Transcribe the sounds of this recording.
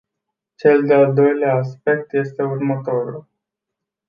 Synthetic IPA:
t͡ʃe̞ld̪eald̪o̞jleaːs̬pe̞k̚t̪je̞st̪e̞urmət̪o̞ɾul

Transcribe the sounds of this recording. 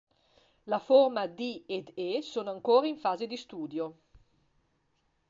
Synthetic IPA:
laformad̪ied̪esonaŋkoːɾaiɱfaːzed̪ist̪uːd̪jo

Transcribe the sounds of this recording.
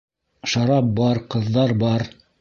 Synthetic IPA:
ʃɑɾɑp̚bɑɾqɤ̆ðːɑɾbɑɾ

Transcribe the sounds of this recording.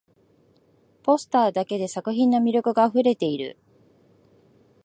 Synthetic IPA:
po̞sɨ̥t̪aːd̪ake̞d̪e̞sakɯ̟çĩnːo̞mʲiɾʲo̞kɯ̟ɡaːɸɯ̟ɾe̞t̪e̞iɾɯ̟̰

